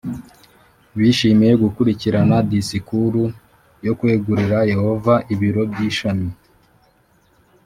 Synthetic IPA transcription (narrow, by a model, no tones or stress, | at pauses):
βiːʃimijeɡukuɾiciɾanadisikuɾu | jo̞kwe̞ːɡuɾiɾaje̞ho̞vaʔiβiɾo̞bɟiːʃami